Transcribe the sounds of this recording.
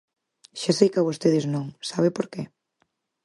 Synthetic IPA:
ʃasejkaβost̪eðɪznõŋsaβɪpoɾke

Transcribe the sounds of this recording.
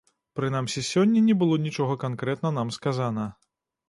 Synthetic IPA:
pɾɨnamsʲɛsʲɔnʲːɐnʲɛbɨlˠɔnʲit͡ʂɔɣɐkankɾɛt̪nɐn̪amskazanɐ

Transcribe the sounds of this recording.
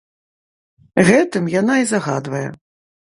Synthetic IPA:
ɣɛt̪ɨmjanaizaɣad̪vɐjɛ̰

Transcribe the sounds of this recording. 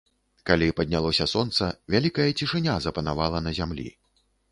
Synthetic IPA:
kalʲipɐd̪ʲnʲalˠɔsʲɐsɔnt̪sɐvʲalʲikɐjɛt͡sʲiʂɨnʲazɐpɐnavalˠɐnɐzʲamlʲḭ

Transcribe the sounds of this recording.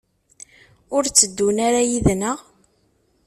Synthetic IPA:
ʊɾt͡sːəd̪ːunaɾajiðnəʁ

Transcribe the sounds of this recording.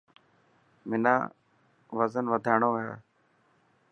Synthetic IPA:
mɪna̰ː | ʋəzənʋəd̪ʱaːɳ̃oːɦḛː

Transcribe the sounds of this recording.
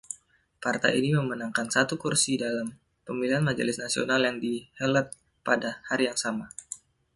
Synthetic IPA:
part̪a̰jiniməmənaŋkansat̪ukursidalam | pəmiliɦanmad͡ʒə̰lɪsnasio̰naljaŋdihəlat̪̚ | padahaɾijaŋsama

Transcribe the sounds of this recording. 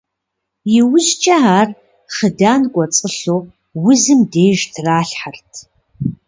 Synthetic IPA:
jɪwʊʑt͡ʃʼɐaːr | χədaːnkʷʼɔt͡sʼəɬoː | wʊzɨmdeːʒtʰraːɬħartʰ

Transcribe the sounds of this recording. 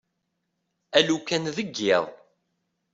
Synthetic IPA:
ælukːænðəɡːɪðˤ

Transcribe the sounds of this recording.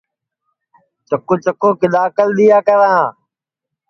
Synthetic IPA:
t͡ʃəkoːt͡ʃəkoːkɪɗ̪aːkəlɗ̪ijaːkəɾãː

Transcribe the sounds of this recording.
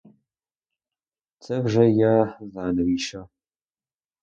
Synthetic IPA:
t͡sʰɐvʒɐjaːzaːnɨwiːʃɐ

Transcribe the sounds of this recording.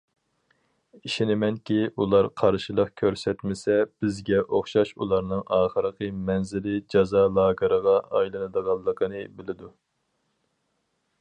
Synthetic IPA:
iʃinɪmɛnkʲiʔulˠɑɾqʰɑɾʃilˠəqkʲʰøɾsɛt̪mɪsɛb̥ɪzɡʲɛʔoχʃɑʃulˠɑɾnɨŋɑːχəɾəqʰəmɛnzɪlɪd͡ʒɑzɑːlˠɑːɡəɾəʁɑɑjlˠɨnɨd̪əʁɑlˠːəqʰənɨbɪlɪd̪u

